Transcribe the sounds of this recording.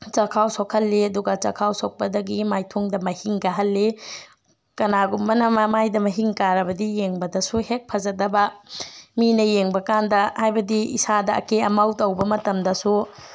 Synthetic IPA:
t͡ʃɐkʰawsokʰɐlːiɐduɡɐt͡ʃɐkʰawsok̚pɐdɐɡimajtʰuŋdɐmɐhiŋɡɐɦɐlːi | kɐnaɡumbɐnɐmɐmajdɐmɐɦiŋkaɾɐbɐdijeŋbɐdɐsuhek̚pʰɐzɐdɐbɐminɐjeŋbɐkandɐhajbɐdiḭsadɐɐ̰keɐmawtɐwbɐmɐtɐmdɐsu

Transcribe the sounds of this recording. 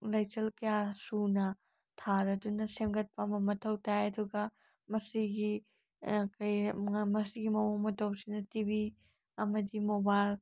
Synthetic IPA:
lɐjt͡ʃɐlkɐjasunɐ | tʰaɾɐdunɐsemɡɐt̚pɐmɐmɐtʰɐwtajɐduɡɐ | mɐsiɡi | kɐjmɐsiɡimɐwomɐtʰɐwsinɐtibi | ɐmɐdimobajl

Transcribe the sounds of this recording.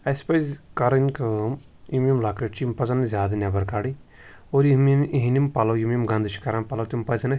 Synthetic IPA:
ɐspɐzkɐɾɐnkɨm | imʲimlaːkɐʈt͡ʃimpɐzɐnzʲjaːd̪ɐnʲjabɐɾkaːɽi | oːɾimiɦinimpɐlɐwjimʲimɡɐnd̪ɨt͡ʃʰi̥kɐɾanpɐlɐt̪impɐzɐnɐ

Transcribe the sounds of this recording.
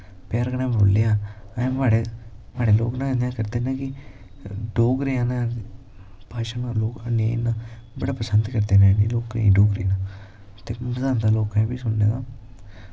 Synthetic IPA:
pjaːɾɡəɽãːboːlːeaːə̃maːɽemaːɽeːlo̰ːknãnd̪jãːkəɾd̪eːnãːkɪ | ɖoːkɾeãːna | paːʃaːnaːloːkanẽnãː | bəɽaːpəsənd̪kəɾd̪eːnãniloːkːḭ̃ɖoːɡɾḭːnãː | t̪eːməzaːnt̪aːloːkãbiːsʊɳd̪eːaː

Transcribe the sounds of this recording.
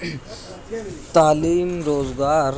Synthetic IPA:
t̪aːliːmɾoːd͡zɡaːɾ

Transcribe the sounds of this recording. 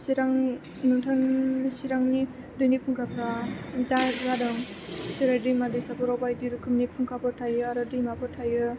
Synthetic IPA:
siɾaŋ | nɯŋtʰɯnsiɾaŋni | dɯjnipʰuŋkʰapʰɾad͡ʒaɡadɯŋ | siɾajdɯmadɯjsapʰɔɾawpajdiɾɯkʰɯmnipʰuŋkʰapʰɯtʰajɯaɾɯdɯmapʰɯtʰajɯ

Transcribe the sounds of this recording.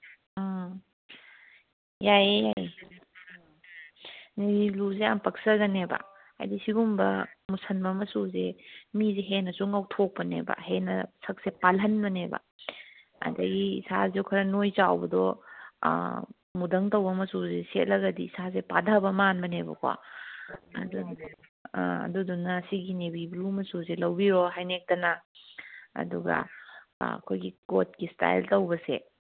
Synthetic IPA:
jajjaj | niluzeampɐk̚sɐɡɐnebɐ̰ | a̰jdisiɡumbɐmusʰɐnbɐmɐsuzemizeɦenɐsuŋɐwtʰok̚pɐnḛbɐ̰ɦenɐsʰɐk̚sepalɐnbɐnebɐ̰ | ɐ̰dɐɡiːsazewkʰɐɾɐnojt͡ʃawbɐdɔ | mudɐŋtɐwbɐmɐsuzeset̚lɐɡɐdiːsazepadabɐmanbɐnebɐ̰kʰwa̰ | ɐ̰du | ɐ̰dudunːɐsiɡinebiblumɐsuzelɐwbiɾoɦajnek̚tɐna | ɐ̰duɡɐ̰ | ɐ̰kʰojɡikot̚kista̰jltɐwbɐse

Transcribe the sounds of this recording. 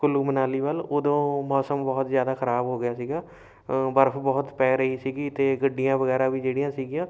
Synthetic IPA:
kʊluːmənaːliːʋəloːd̪õːmɔːsəmbɔːt̪zjaːd̪aːkʰəɾaːbɦoːɡɪjaːsiːɡaː | bəɾəpʰbɔːt̪pɛːɾəiːsiːɡiːt̪eːɡəɖːɪjãːʋəɡɛːɾãːʋiːd͡ʒeːɽijãːsiːɡɪjãː

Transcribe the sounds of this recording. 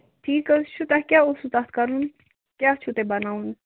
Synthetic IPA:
ʈʰiːkət͡ʃʰut̪ãkʲjausut̪at̪kɐɾun | kjaːt͡ʃʰut̪ebɐnaːun

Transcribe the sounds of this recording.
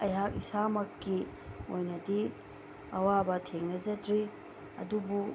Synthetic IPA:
ɐjɦakisamɐkːi | ojnɐdi | ɐwabɐtʰeŋnɐzɐtɾi | ɐ̰dubu

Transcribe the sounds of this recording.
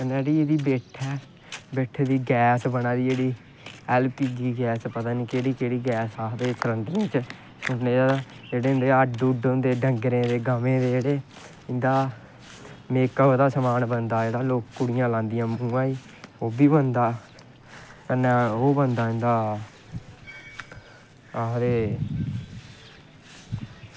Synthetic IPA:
kəneːɽiːeːd̪iːbeːʈʰɛː | beːʈʰeːd̪iːɡɛːsbənaːd̪iːd͡ʒeːɽiː | ɛːlpiːɡiːɡɛːspət̪aːniːkeːɽiːkeːɽiːɡɛːsaːd̪eːsəɾə̃nd̪əɾẽːt͡ʃ | ʊnːeːad͡ʒeːɽeːɪ̃nd̪eːəɖuːɖõnd̪eːɖəŋɡɾẽːd̪eːɡəmẽːd̪eːd͡ʒeːɽeː | ɪnd̪aː | meːkəd̪aːsəmaːnbənd̪aːd͡ʒeːɽaːloːkːʊɽɪjãːlãːnd̪ɪjãːmũːaːiː | oːbiːbənd̪aː | kənɛoːbənd̪aːɪ̃nd̪aː | aːɦd̪eː

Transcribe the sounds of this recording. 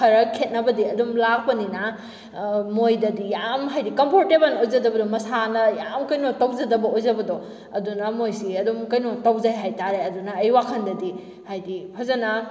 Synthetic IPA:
kʰɐɾɐkʰet̚nɐbɐdiɐdumlak̚pɐninɐ | mojdɐdijamɦajdikɐmpʰoɾtebɐnojzɐdɐbɐdomɐsanɐjamkɐjnotɐwd͡ʒɐdɐbɐojzɐbɐdo | ɐdunɐmojsiɐdumkɐjnotɐwd͡ʒajɦajtaɾeɐdunɐːjwakʰɐndɐdi | hajdipʰazɐnɐ

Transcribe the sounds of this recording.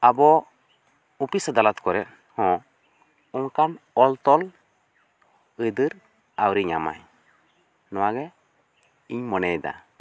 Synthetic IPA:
abɔ | upisad̪alat̪kɔɾɛ | hɔ̃ | uŋkanɔlt̪ɔl | əd̪ɨɾ | awɾiɲa̰ma̰j | nɔwaɡɛ | iɲmɔnɛd̪a̰

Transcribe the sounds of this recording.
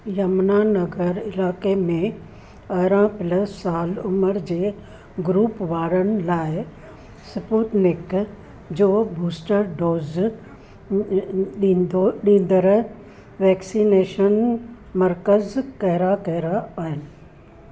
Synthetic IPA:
jɐmnaːnɐɡəɾɪlaːkemẽ | ɐɦɾãpɪləsaːlʊməɾd͡ʑeː | ɡʊɾuːpʋaːɾənɪ̆laːɪ | sɪpuːt̪nɪk | d͡ʑoːbʱuːsʈəɾɖoːz | ɗioɗĩːn̆d̪əɾ | ʋɛːksineːʃən | mɐɾkəzkɐɦɪɾakɐɦɪɾaaːɦɪnɪ̆

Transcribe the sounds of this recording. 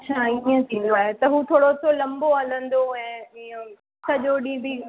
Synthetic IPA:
tːɕʰaːiə̃t̪ʰĩːnd̪oaːɦet̪ɐɦuːt̪ʰoːɽot̪ʰolɐ̃mboɐlə̃nd̪oɛ̃ːə̃ | sɐʄoːɗĩbɪ

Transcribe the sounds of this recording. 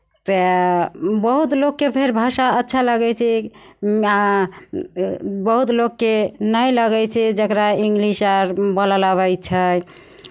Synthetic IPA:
t̪ə | bəɦut̪lokːepʰeɾbʱaʃaətːʃʰaləɡɛt͡ʃʰɛ | a | bəɦut̪lokːenəjləɡɛt͡ʃʰɛd͡ʒəkɾaiŋɡlisaɾbəlalaβɛjt͡ʃʰə

